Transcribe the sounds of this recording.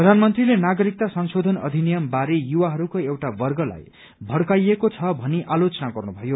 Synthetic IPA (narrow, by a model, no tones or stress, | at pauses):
rʌd̪ʱanmʌnt̪rilenaɡʌɾik̚t̪asʌnsod̪ʱʌnʌ̰d̪ʱinijʌmbaɾejuwaɦʌɾukoewʈabʌrɡʌla̰j | bʱʌɽkajekot͡sʰʌbʱʌniʔalot͡sʌnaɡʌrnubʱʌjo